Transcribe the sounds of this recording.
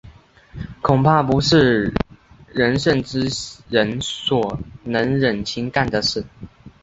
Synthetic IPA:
kʰʊ˨˩ŋpʰa˥˧pu˧˥ʂɻ̩˥˩ | ɻə˧˦nʂə˥˨nʈ͡ʂɻ̩˥ɻə˧˦nswɔ˨˩nə˧˥ŋɻə˨˩nt͡ɕʰi˧˥ŋka˥˩nd̪ə˩ʂɻ̩˥˩

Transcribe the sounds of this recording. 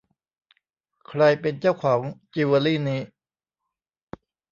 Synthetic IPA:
kʰɾa˧jpe˧nt͡ɕaː˥˩wkʰɔː˩˦ŋt͡ɕi˧waː˧liː˥˩niː˦˥

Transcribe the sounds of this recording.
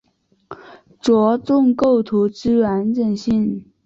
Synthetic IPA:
t͡swɔ˧˥t͡sʊ˥˧ŋko˥˩ʊt̪ʰu˧˥ʈ͡ʂɻ̩˥ɥa˧˥nʈ͡ʂə˨˩nɕi˥˩n

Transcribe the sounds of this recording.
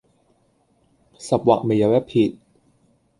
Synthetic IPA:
sa˨˩p̚wa˨˩k̚me˨˩ja˨˦wɛ˦˥pʰːi˨˩t̪̚

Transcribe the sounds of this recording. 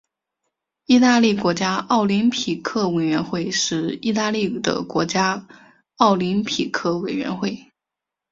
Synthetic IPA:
i˥˧t̪a˥˧li˥˩kwɔ˧˥t͡ɕja˥ɑ˥˩ʊli˧˥ŋpʰi˨˩kʰɤ˥˩we˨˩ɪɥɛ˧˥nxwe˥˧ɪʂɻ̩˥˧i˥˧t̪a˥˧li˥˩d̪ə̰˩kwɔ˧˥t͡ɕja˥ | ɑ˥˩ʊli˧˥ŋpʰi˨˩kʰɤ˥˩we˨˩ɪɥɛ̰˧˥nxwe˥˩ɪ

